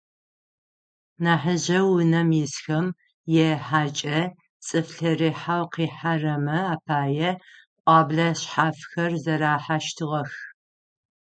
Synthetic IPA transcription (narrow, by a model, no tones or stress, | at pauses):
naːħəʑɐwʊnɐmjɪsxɐm | jɛħaːt͡ʃʼɐ | t͡sʼɨfɬɐriːħawqiːħarɐmɐaːpʰaːjɛqʷʼɑːbɮɐɕħaːfxɐrzɐɾaːħaʃtʰɨʁɐx